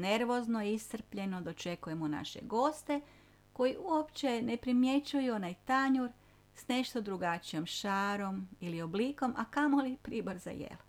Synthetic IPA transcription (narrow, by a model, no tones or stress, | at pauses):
ne̞ɾʋo̞znoist̪r̩pʎe̞no̞d̪o̞t͡ʃe̞kuje̞muna̰ʃe̞̰ɡo̞st̪e̞ | ko̞jiʔuopt͡ʃe̞ne̞pɾimje̞t͡ʃujuo̞najt̪aɲuɾ | sne̞ʃt̪o̞d̪ɾuɡat͡ʃijo̞mʃaːɾo̞milio̞bliːko̞mʔakamo̞lipɾiːboɾza̰jḛlo